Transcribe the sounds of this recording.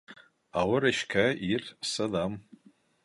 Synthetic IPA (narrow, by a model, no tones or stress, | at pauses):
awʊɾaʃkʲʰairsalam